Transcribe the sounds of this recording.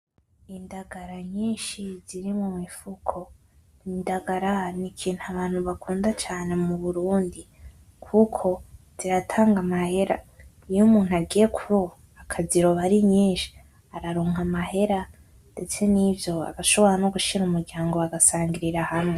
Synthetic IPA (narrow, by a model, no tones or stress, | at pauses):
indaɡaɾaɲiːnʃiziɾimumŋifukʰo̞ | indaɡaɾanikʰiːn̥uaβaːn̥huβakʰuːndat͡ʃaːne̞muβuɾuːndi | kʰukʰo̞ | z̥iɾatʰaːŋɡamahe̞ɾa̰ | ijumuːnuaɡiːje̞kʰuβo | akʰaziɾo̞βaɾiɲiːnʃi̥ | aɾaɾoːŋamahe̞ɾa | nde̞t͡se̞nivjo̞a̰βaʃo̞βo̞ɾano̞ɡuʃiɾumuɾɟaːŋɡo̞βaɡasaːŋɡiɾiɾahamwe